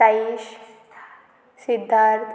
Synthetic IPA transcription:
aiʃ | sid̪ʱːaɾt̪ʰ

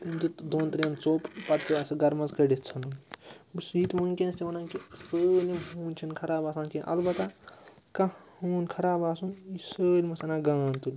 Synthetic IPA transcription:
t̪imd͡ʒit̪d̪oːnt̪ɾʲɐnt͡soːppɐtpiaːsiɡɐɾmɐzkɐɖet̪t͡sʰɐnubsiːt̪munkenst̪ʲiʋɐnaːnkisəlʲiɦuːnʲt͡ʃʰinkʰɐɾaːbaːsãːnkiʔɐ̰lbɐt̪a | kahuːnkʰɐɾaːbaːsunisəːlʲmɐsɐnaɡaːnt̪ulʲ

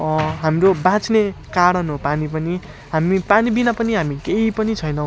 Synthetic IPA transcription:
ʌɦamɾobãt͡snekaɽʌnɦopanipʌni | ɦamipanibinapʌniɦamikeipʌnit͡sʰʌjnʌ̃

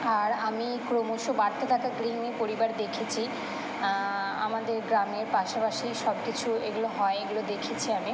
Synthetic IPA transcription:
aɾamikɾomoʃobaɾt̪at̪ʰakaɡɾineɾpoɾibaɾd̪ekʰet͡ɕʰi | a̰mad̪eɾɡɾameɾpaʃapaʃiʃɔb̚kit͡ɕʰueɡuloɦɔeeɡulod̪ekʰet͡ɕʰiami

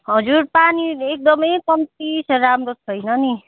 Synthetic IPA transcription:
ɦʌd͡zuɾpaniek̚d̪ʌmʌjkʌmt̪isʰʌɾamɾot͡sʰʌjnʌni

